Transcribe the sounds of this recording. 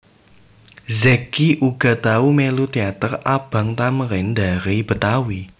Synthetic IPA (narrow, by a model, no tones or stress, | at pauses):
zɛkiʔuɡ̥a̤t̪aumelut̪eat̪ərab̥a̤ŋt̪amɾɪnd̪a̤ɾib̥ə̤t̪awi